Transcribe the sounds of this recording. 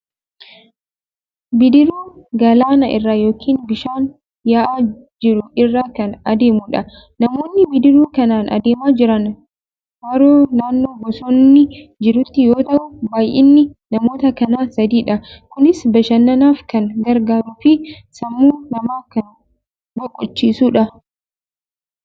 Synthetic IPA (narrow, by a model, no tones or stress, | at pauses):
bɪd̪ɪɾuːɡɐlaːnɐʔɪ̰rːaːjo̞ːkʰiːnbɪʃaːn | jaːʔaː | d͡ʒɪɾʊɪrːaːkɐnɐd̪e̞ːmʊᶑɐ | nɐmo̞ːnːɪbɪd̪ɪɾuːkɐnaːnʔɐ̰d̪eːmaːd͡ʒɪɾɐn | hɐɾoːnaːnːoːbɔsɔnːɪd͡ʒɪɾʊt̪ːɪjoːt̪ɐʔʊbaːjʔɪnːɪnɐmo̞ːt̪ɐkɐnaːsɐd̪iːᶑɐkʊnɪsbɐʃɐnːɐnaːfkɐŋɡɐɾɡaːɾuːfɪ | sɐmːuːnɐmaːkɐn | ɡɔkʼːɔt͡ʃːiːsuːᶑɐ